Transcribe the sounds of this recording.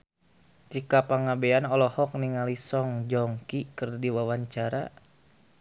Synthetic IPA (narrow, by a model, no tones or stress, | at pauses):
t͡ʃikapaŋabeanɔlɔhɔk̚niŋalisɔŋd͡ʒɔŋkikɨrdiwawaɲt͡ʃaɾa